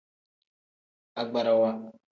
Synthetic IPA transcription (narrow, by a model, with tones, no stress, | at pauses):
a˨ɡ͡ba˨ɾa˦wa˦